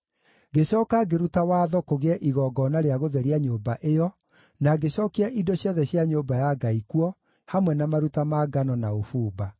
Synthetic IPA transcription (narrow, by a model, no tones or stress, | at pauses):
ɡeɕɔːkaɡeɾutawaːðɔkoɣeɛʔiɣɔːɡɔnaɾeaɣoðɛɾiaɲoːbaʔejɔ | naɡeɕɔkiaʔidɔɕjɔðɛɕjaɲoːbajaɡaikuɔ | hamwɛnamaɾutamaɡanɔnaofuːba